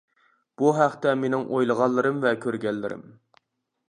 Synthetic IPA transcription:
b̥uɦæχt̪ɛmenɪŋʔojlˠəʁɑlˠːɨɾɨmvɛkʲʰøɾɡʲɛlːɪ̰ɾɪ̰m

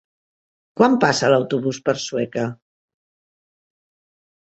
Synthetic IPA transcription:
kwampasəlawt̪uβ̞uspəɾswɛkə

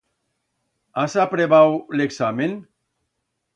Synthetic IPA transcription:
asapɾeβawleksamen

